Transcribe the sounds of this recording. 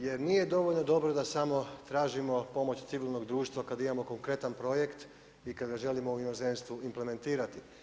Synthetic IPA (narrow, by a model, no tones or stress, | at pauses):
je̞ɾnije̞d̪o̞ʋo̞ʎno̞d̪o̞bɾod̪asamo̞t̪ɾaːʒimo̞po̞mo̞t͡ɕt̪siʋilˠno̞ɡd̪ɾuːʃt̪ʋakad̪aimamo̞ko̞ŋkɾe̞t̪anpɾo̞je̞kt̪ | ikad̪ɡaʒe̞limo̞uinozenst̪ʋuimple̞me̞nt̪iːɾat̪i